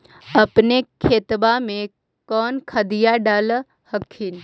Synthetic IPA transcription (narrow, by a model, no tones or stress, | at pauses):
ɐpnekʰeːt̪bamẽ | kɔːnkʰəd̪ijaɖaːl | həkʰin